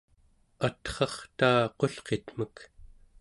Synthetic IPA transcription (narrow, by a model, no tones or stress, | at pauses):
at̪χɑχt̪aːqo̞ɬqet̪m̥ək